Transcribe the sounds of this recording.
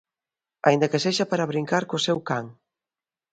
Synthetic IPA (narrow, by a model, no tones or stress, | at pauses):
a̰ind̪ɐkeseʃapaɾaβɾiŋkaɾkosɛwkaŋ